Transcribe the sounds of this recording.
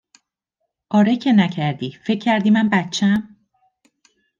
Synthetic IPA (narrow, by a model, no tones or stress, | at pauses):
ʔɒːɾecʰenæcʰæɾd̪iːfe̞cʰːæɾd̪iːmænbæt̪t͡ʃʰːæm